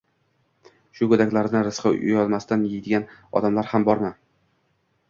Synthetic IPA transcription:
ʃʊkɵd̪akʲlaɾnɪɾɪsqɨʊ̰jɒlˠmasɪt̪anjɪjd̪ɪɡʲanɒ̰d̪amlaɾhambɒɾma

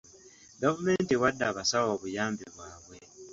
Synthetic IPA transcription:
ɡavume̞ːntiwadːaːβasawoːβujaːmbiβwaːβwe̞

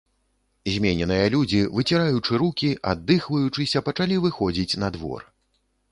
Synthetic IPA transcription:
zʲmʲenʲɛnɨjɐlʲud͡zʲivɨt͡sʲiɾajut͡ʂɨɾukʲiʔa̰d̪ːɨxvɐjut͡ʂɨsʲɐpɐt͡ʂalʲivɨxɔd͡zʲit͡sʲnɐd̪vɔ̰r

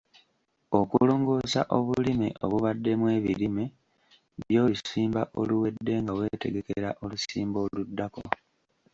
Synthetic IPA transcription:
o̞kulo̞ːŋɡo̞ːsaʔo̞βulimḭʔo̞βuβadːe̞mwe̞ːβilime | βjo̞ːlusiːmbaʔo̞luwe̞dːe̞ŋɡawe̞te̞ɡeke̞ɾaʔo̞lusiːmbo̞ːludːako

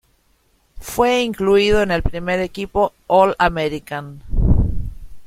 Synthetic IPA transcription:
fweiŋkluiðoene̞lpɾime̞ɾekipo̞ | olameɾikan

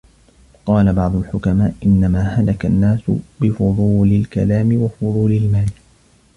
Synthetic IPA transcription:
qɑːlabɑʕd̪ˤʊlħʊkamaːʔʔɪnːamaːhalakanːaːsʊ̰bɪfʊðˤuːlɪlkalaːmɪwafʊðˤuːlɪlmaːlɪ

